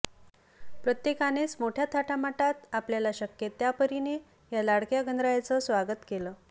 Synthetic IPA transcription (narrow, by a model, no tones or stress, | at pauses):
pɾət̪jekanesmoʈʰjat̪ʰaʈʰamaʈat̪apljalaɕəkjet̪japəɾine | jalaɽkjaɡənd̪ɾajat͡səsʋaɡət̪kelə